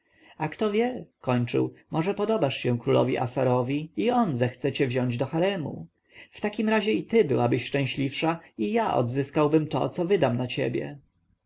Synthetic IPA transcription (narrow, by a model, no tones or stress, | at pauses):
akt̪ɔvʲjɛkɔɲt͡ʂɘ̰wmɔʐɛpɔd̪ɔbaʂɕɛ̃kɾulɔ̰vʲḭʔa̰saɾɔvʲiiɔnzɛxt̪sɛt͡ɕɛvʑɔɲd͡ʑd̪ɔxaɾɛmṵ | ft̪akʲimɾaʑɛit̪ɘbɘwabɘɕʂt͡ʂɛ̃w̃ɕlʲifʂaijaʔɔ̰d̪zɘskawbɘmt̪ɔ̰t̪sɔvɘd̪amnat͡ɕḛbʲjɛ̰